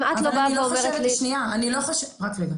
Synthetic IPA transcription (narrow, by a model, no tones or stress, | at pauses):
mʔat̪lobaveoveʁetleʃniaaniloχoʃeʁakleɡa